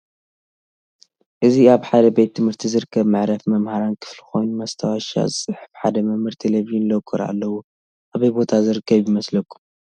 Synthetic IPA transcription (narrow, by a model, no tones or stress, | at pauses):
ʔɨziaβħad̪ɐbet̪ʰːɨmhɨɾt̪ʰizɨɾɨkʰːɐβmɨʕɾɐfmɐmhaɾankʰɨ̥flixo̞jnumɐst̪ʰawaʃa̰zɨsʼɨħɨ̥fħad̪ɐmɐmɨɾt̪ʰeleβiunlokʼːɨɾa̰lːɐwu | ʔaβɐjbo̞t̪ʰazɨɾɨkʰːɐβjimɐslɐkʼu̥